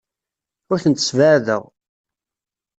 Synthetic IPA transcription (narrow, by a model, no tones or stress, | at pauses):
ʊɾθənt̪ə̥svəʕðə̰ʁ